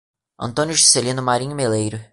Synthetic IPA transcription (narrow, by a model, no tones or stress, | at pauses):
ɐ̰̃nt̪õnʲjʊʒɪ̥selĩnʊmaɾĩɲʊmelejɾʊ